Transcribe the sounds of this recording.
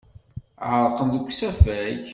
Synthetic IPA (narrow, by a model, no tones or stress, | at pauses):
ʕəɾˤqəmðəkʷːsæfæç